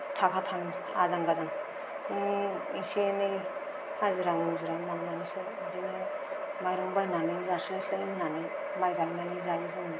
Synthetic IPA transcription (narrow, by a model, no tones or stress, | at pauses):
tʰakʰatʰaŋ | a̰zaŋɡazaŋ | isieni | haziɾaŋuzuɾamaŋmanisɔ | dinɯ | majɾɔŋbajnanizaslajslajnani | majɡananizajizɯŋ